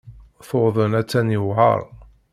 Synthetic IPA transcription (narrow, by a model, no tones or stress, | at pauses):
θoðˤənæt͡sːænjəwʕə̰ɾˤ